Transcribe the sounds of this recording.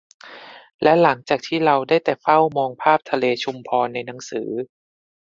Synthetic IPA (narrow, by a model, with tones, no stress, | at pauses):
lɛ˦˥la˩˦ŋt͡ɕaː˨˩k̚t̪ʰiː˥˩ɾa˧wdaː˥˩jt̪ɛː˨˩fa˥˩wmɔː˧ŋpʰaː˥˩p̚t̪ʰa˧leː˧t͡ɕʰu˧mpʰɔː˧nːa˧jna˩˦ŋsɯː˩˦